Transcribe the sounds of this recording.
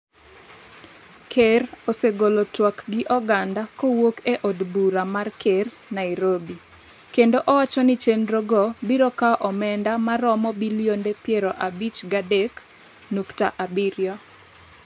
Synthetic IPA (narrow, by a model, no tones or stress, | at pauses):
kʰeɾoseɡolotwakɡɪʔɔɡandakowokeʔɔdbuɾamarkʰer | naɪɾobi | kendoʔɔwat͡ʃɔnɪt͡ʃenɾoɡɔbiɾokaʔɔmɛndamaɾɔmɔbiljondepjeɾɔʔabit͡ʃɡadek | nuktaʔabiɾjɔ